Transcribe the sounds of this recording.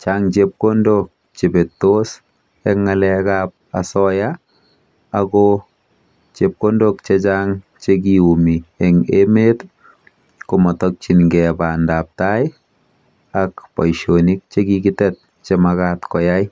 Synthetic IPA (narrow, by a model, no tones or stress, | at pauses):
t͡ʃaŋt͡ʃep̚kondok̚ | t͡ʃebetːos | ɛŋːalɛkap̚a̰sɔjaː | kɔ | t͡ʃep̚kondok̚t͡ʃet͡ʃaŋ | t͡ʃek̬iumiɛŋemet | komɔtɔk̚t͡ʃinŋɡɛbandap̚taj | akpɔjʃonik̚t͡ʃeɡiɡɪtɛt̚ | t͡ʃemakatkɔjaj